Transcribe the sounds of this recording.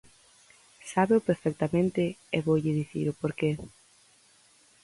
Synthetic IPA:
saβeʊpeɾfɛk̚t̪amẽnt̪ɪeβowʎɪðiθḭɾʊpoɾke

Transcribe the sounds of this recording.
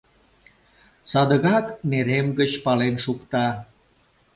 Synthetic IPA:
sɑd̪əɣɑkneɾemɡət͡ɕpɑlenʃukt̪ɑ

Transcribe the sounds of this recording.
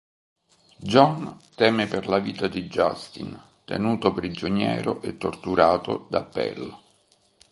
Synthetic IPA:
d͡ʒɔnt̪ɛːmeperlaviːt̪ad̪id͡ʒa̰st̪in | t̪ḛnuːt̪opɾid͡ʒonjɛ̰ːɾoʔet̪ːort̪uɾaːt̪o̰d̪apːɛ̰l

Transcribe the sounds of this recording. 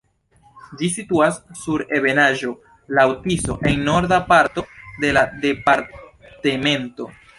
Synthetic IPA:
d͡ʒisituasːuɾe̞βe̞naʒo̞ | lawtiso̞̰ʔe̞ŋno̞ɾdapaɾto̞de̞lade̞paɾ | teme̞nto̞

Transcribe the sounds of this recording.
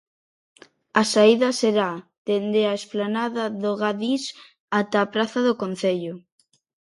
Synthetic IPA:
asaiðɐseɾa | d̪̥end̪eaesplanaðaðoɣaðis | at̪aːpɾaθaðokon̟θeʎʊ

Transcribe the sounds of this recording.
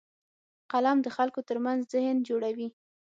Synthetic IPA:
qalamd̪əxalkot̪əɾmanzzɪhnd͡ʒoɽawi

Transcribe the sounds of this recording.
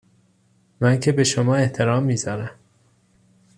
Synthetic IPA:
mæncʰe̞be̞ʃomɒːe̞ht̪ʰe̞ɾɒːmːiːzɒːɾæm

